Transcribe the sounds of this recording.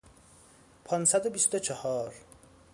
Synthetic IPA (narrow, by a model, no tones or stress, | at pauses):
pʰɒnsæd̪obist̪ot͡ʃʰɔhɒːɾ